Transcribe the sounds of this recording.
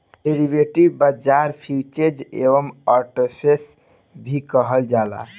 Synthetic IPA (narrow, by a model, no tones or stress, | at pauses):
ɖeɾibeʈibbəd͡ʒaɾpʰjut͡ʃed͡ʒḛbəmaɾʈepʰes | bʱikəɦəld͡ʒala̰